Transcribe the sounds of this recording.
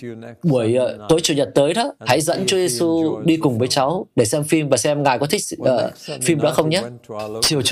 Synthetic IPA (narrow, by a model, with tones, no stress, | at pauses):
ɓu˧˩əjt̪o˨˦jt͡ɕu˨˩ɲə˨˩t̚t̪əː˨˦jɗɔ˨˦ha̰˧˥jzə̰˧˥nt͡ɕɔ˨˦ze˧su˧ɗi˧kʊ˨˩ŋ͡mvəː˨˦jt͡ɕa˨˦wɗe˧˩sɛ˧mfi˧mvaː˨˩sɛ˧mŋaː˨˩jkɔ˨˦t̪ʰï˦˥k̚ʔəː˨˩fi˧mɗɔ̰˧˥xə˧wŋ͡mɲa˦˥t͡ɕi˨˩əwt͡ɕ